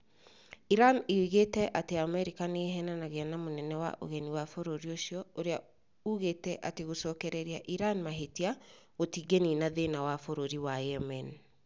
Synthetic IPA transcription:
iɾaneɣetɛʔateamɛɾikaneɦɛnanaɣɛanamonɛnɛwa̰ʔo̰ɣɛniwafoɾoɾioʃiɔoɾea | uɣetɛʔateɣosɔːkɛɾɛɾiaʔiɾanmaɦetiaɣotiɡeninaðenawafoɾoɾiwajɛmɛn

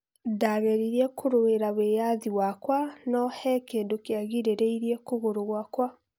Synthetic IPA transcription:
daɣɛɾiɾiɛkʰoɾoeɾawejaðiwakwanɔhɛkeːndokeaɣiɾeɾeiɾiɛkoɣoɾoɣwakwa

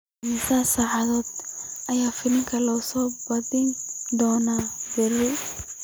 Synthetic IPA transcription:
ɐmɪsɐsaːʕɑðɔːd̪̚ɐjaːfɪlɪŋkʰɐlɐʊsɔːbɐðɪnd̪ɔːnaːbɪrɪ

